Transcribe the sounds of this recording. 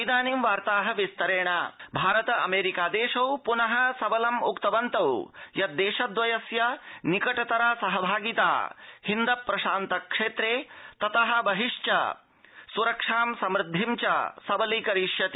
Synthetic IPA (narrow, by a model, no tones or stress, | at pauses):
d̪aːnimʋaːɾt̪aːɦɐ̆ʋist̪ɐɾeːɳ̃ɐbʱaːɾɐt̪ɐɐ̰meːɾikaːd̪eːʃɐwpunɐɦɐsɐbɐlɐmukt̪ɐʋɐnt̪ɐwjɐd̪eːʃɐd̪ʋɐjɐsjɐnikɐʈɐt̪ɐɾaːsɐɦɐbʱaːɡit̪a̰ːhind̪ɐpːɾɐʃaːnt̪ɐkʂeːt̪ɾeːt̪ɐt̪ɐɦɐ̆bɐɦiʂt͡ʃɐ̰ | suɾɐkʂaːmsɐmɾɪd̪ʱːimt͡ʃɐ̰sɐbɐlikɐɾiːʃjɐt̪i